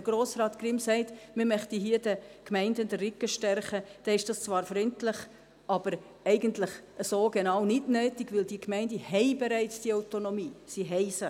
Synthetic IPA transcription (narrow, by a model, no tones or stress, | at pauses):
əɡ̥ɾoːsɾɑːtkɾɪmsɛɪtmɪmœχtiɦiːədəkmɛɪndəndərɪkːəʃtɛɾχəd̥ɛɪʃd̥ɑst͡svʋɑːɾfɾʏntlɪχ | ʔɑb̥əɾ | ɛɪɡəntlɪχəsoːɡenɑːwnɪdnøːtiɡʋɪldiːkʰmɛɪndəhɛɪbɛɾæɪt͡sd̥iɑʊtonɔmiːsiɦɛɪsə